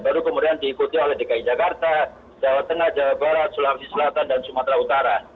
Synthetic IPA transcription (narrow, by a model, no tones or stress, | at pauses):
baɾukəmudiandiːkut̪iolɛhdekaid͡ʒakart̪a | d͡ʒawat̪ːəŋahd͡ʒawat̪̚baɾat̪̚sulaharsisəlat̪andansumat̪ɾaut̪aɾa